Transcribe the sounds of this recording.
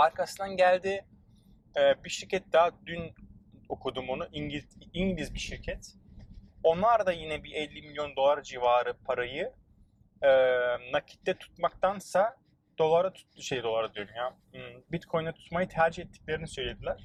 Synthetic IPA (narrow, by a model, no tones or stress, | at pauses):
aɾkʰasɯnd̪anɟælʲd̪i | ɛːbiʃiɾcʰɛt̪̚d̪ad̪ynokʰud̪uːmonuʔiɲɟiiɲɟlʲizbiʃiɾcʰɛt̪ | o̞nlˠaɾd̪ajinɛbiʔɛlʲːimilʲjo̞nd̪o̞lˠaɾd͡ʒivaːɾɯpʰaɾajɯ | ɛːnacʰi̥t̪ːɛt̪ʰu̥t̪mak̚t̪ʰansa | d̪̥o̞lˠaɾat̪ʰu̥t̪ːuʃe̞jid̪o̞lˠaɾad̪yjoɾumja | bit̪kʰo̞jnat̪ʰu̥t̪majɯt̪ʰæɾd͡ʒihɛt̪ʰːi̥c̚lʲe̞ɾinisø̞jlʲe̞d̪ilʲæɾ̥